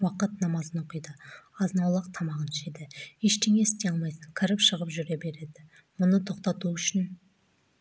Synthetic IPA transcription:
wɑqət̪nɑmɑzənoqəjd̪əɑznɑwlˠəq̚t̪ʰɑmɑʁənʃed̪ɪeʃt̪e̞ŋe̞ɪst̪ejɑlˠmɑjsəŋkʲʰəɾəpʃəʁəpʒʏɾe̞be̞ɾe̞d̪ɪ | mʊnət̪ʰo̞qt̪ɑt̪uʏʃɪn

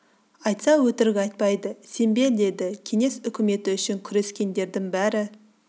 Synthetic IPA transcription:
ɑjt̪sɑwɵt̪ɪɾɪɡʲɑjt̪̚pɑjd̪əse̞mbe̞ɾd̪e̞d̪ɪkʲʰe̞ŋe̞sʏkʲɪme̞t̪ɪʏʃɪŋkʲʰʏɾe̞skʲe̞nd̪e̞ɾd̪ɪŋbæɾɪ

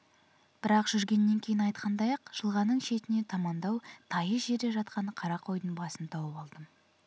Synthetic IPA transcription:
b̥ɪɾɑqʒ̥ʏɾɡʲe̞nːe̞ŋkʲʰejɪnɑjt̪qʰɑnd̪ɑjɑqʒ̥əlˠʁɑnəɴʃe̞t̪ɪne̞t̪ʰɑmɑnd̪ɑwt̪ʰɑjəʒe̞ɾd̪e̞ʒɑt̪̚qɑnəqʰɑɾɑqʰo̞jd̪əɴbɑsənt̪ʰɑwɑpɑlˠd̪əm

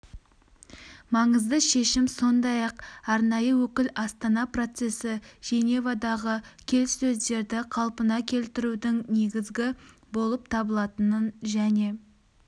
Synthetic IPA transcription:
mɑɴəzd̪əʃe̞ʃɪmso̞nd̪ɑjɑqɑɾnɑjəwɵkʲɪlɑst̪ɑnɑpro̞t̪se̞sɪʒ̥e̞nevad̪ɑʁəkʲʰe̞lsːɵzd̪e̞ɾd̪ɪqʰɑlˠpənɑkʲʰe̞lt̪ɪɾud̪ɪŋne̞ɡʲɪzɡʲɪ | bo̞lˠəp̚t̪ʰɑbəlˠɑt̪ənənʒæne̞

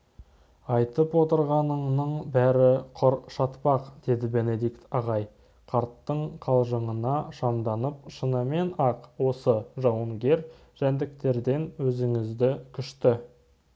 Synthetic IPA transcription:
ɑjt̪əpwo̞t̪əɾʁɑnəɴnəɴbæɾɪqʰʊɾʃɑt̪pɑqd̪̥e̞d̪ɪbe̞ne̞d̪ikt̪ɑʁɑj | qʰɑɾt̪ːəɴqʰɑlˠʒəɴənɑʃɑmd̪ɑnəp̚ʃənəme̞nɑqwo̞səʒɑwəŋɡʲe̞ɾ | ʒ̥ænd̪ɪk̚t̪e̞ɾd̪e̞nwɵzɪŋɪzd̪ɪkʲʰʏʃt̪ɪ

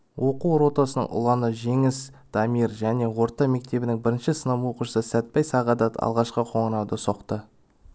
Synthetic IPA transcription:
wʔo̞quwɾo̞t̪ɑsənə̰ɴʔʊ̰lˠɑnəʒe̞ŋɪs | d̪̥ɑmiɾʒæne̞wo̞ɾt̪ɑme̞k̚t̪e̞bɪnɪŋbɪɾɪnʃɪsənəmwoquʃəsəsæt̪̚pɑjsɑʁɑd̪ɑɑ̰lˠʁɑʃqəqʰo̞ɴənɑwd̪əso̞qt̪ə

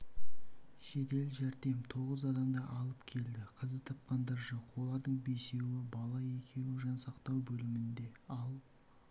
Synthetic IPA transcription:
ʃe̞t̪e̞lʒæɾd̪e̞mt̪ʰo̞ʁəzɑd̪ɑmd̪ɑʔɑlˠəpkʲʰe̞ld̪ɪqʰəzət̪ʰɑp̚qɑnd̪ɑɾʒoqwo̞lˠɑɾd̪əɴbe̞se̞wɪbɑlˠɑje̞kʲʰe̞wɪʒɑnsɑqt̪ɑwbɵlɪmɪnd̪e̞ɑlˠ

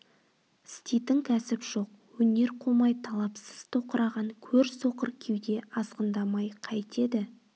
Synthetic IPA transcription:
st̪ʲit̪ɪŋkʲʰæsɪpʒ̥o̞q̚ | wɵne̞ɾqʰo̞mɑjt̪ʰɑlˠɑpsə̥z̥t̪ʰo̞qəɾɑʁɑŋkʲʰɵɾso̞qəɾkʲʰewd̪e̞ʔɑsqənd̪ɑmɑjqʰɑjt̪e̞d̪ɪ

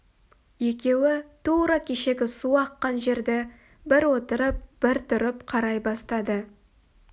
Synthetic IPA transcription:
je̞kʲe̞wɪt̪ʰuɾɑkʲʰe̞ʃe̞ɡʲɪsuɑqːɑnʒe̞ɾd̪ɪ | bɪɾwo̞t̪əɾəp̚b̥ɪɾt̪ʰʊɾɪpqʰɑɾɑjbɑst̪ɑd̪ə

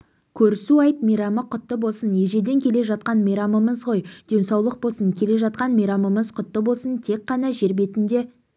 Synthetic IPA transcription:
kʲʰɵɾɪsuɑjt̪mejɾɑməqʰʊt̪ːəbo̞lˠsənje̞ʒe̞d̪e̞ŋkʲʰe̞le̞ʒɑt̪̚qɑnmeɾɑməməzʁo̞jd̪̥e̞nsɑwlˠəq̚bo̞lˠsəŋkʲʰe̞le̞ʒɑt̪̚qɑnmeɾɑməməzqʰʊt̪ːəbo̞lˠsənt̪ʰe̞k̚qːɑnɑʒe̞ɾbe̞t̪ɪnd̪e̞

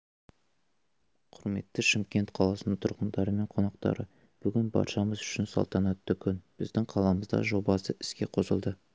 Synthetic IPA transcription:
qʰʊɾme̞t̪ːɪʃɪmkʲe̞nt̪qʰɑlˠɑsənəɴt̪ʰʊɾqənd̪ɑɾəme̞ɴqʰo̞nɑqt̪ɑ̰ɾə | b̥ʏɡʲɪnbɑ̰ɾʃɑməzʏʃɪnsɑ̰lˠt̪ɑnɑt̪ːɵkʲʰʏnb̥ɪzd̪ɪŋqʰɑlˠɑməzd̪ɑ̰ʒo̞bɑsəʔɪ̥skʲe̞qʰo̞sə̰lˠd̪ə

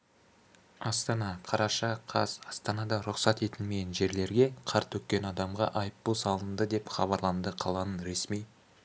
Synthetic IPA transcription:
ɑst̪ɑnɑqʰɑɾɑʃɑqʰɑzɑst̪ɑnɑd̪ɑɾʊqsɑt̪e̞t̪ɪnmeɡʲenʒe̞ɾle̞ɾɡʲe̞qʰɑɾt̪wɵk̪̚kːʲe̞nɑd̪ɑmʁɑ̰ʔɑjəp̪ːusɑlˠənd̪əd̪e̞pχɑβɑɾlˠɑnd̪əqʰɑlˠɑnənɾe̞smij

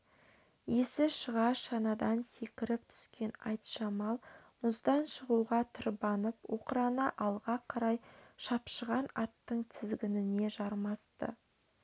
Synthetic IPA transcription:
je̞sɪʃəʁɑʃɑnɑd̪ɑnse̞kʲɪɾɪp̚t̪ʰʏ̥skʲe̞nɑjt̪ʃɑmɑlˠmʊzd̪ɑnʃəʁuʁɑt̪ʰəɾbɑnəpwo̞qəɾɑnɑʔɑlˠʁɑqʰɑɾɑjʃɑpʃəʁɑnɑt̪ːəɴt̪ʰɪzɡʲɪnɪne̞ʒɑɾmɑst̪ə̰

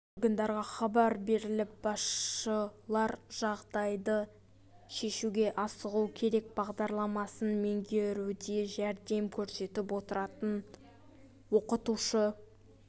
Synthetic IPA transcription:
oɾɡənd̪ɑɾʁɑχɑbɑɾbe̞ɾɪlɪp̚bɑsəlˠɑɾʒ̥ɑʁd̪ɑjd̪ə | ʃe̞ʃuɡʲe̞ʔɑsəʁuwkʲʰe̞ɾe̞k̚bɑʁd̪ɑɾlˠɑmɑsənme̞ŋɡʲe̞ɾud̪e̞ʒæɾd̪e̞mkʲʰɵɾse̞t̪ɪpwo̞t̪əɾɑt̪ən | wo̞qət̪uʃə

